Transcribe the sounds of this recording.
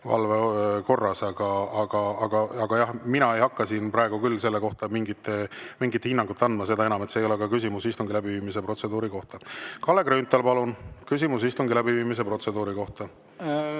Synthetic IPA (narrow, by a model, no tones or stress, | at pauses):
vɑ̰lveko̞rːɑsɑɡ̥ɑɑɡ̥ɑɑɡ̥ɑɑɡ̥ɑjɑhminɑejhɑkːɑsinpɾɑeɡ̥ukylːse̞lːe̞ko̞ht̪ɑmiŋɡit̪ːˑemiŋɡit̪ːhinːɑŋɡ̥ut̪ːɑnd̪mɑse̞d̪̥ɑe̞nɑmet̪seːjo̞lekɑkysʲimusist̪uŋɡilæbiviːmis̬e̞pro̞t̪se̞d̪uːɾiko̞ht̪ɑkɑlːe̞kɾynt̪ːˑɑlpɑlunkys̬ʲimus̬ist̪uŋɡilæbiviːmis̬e̞pro̞t̪se̞d̪uːɾiko̞ht̪ɑ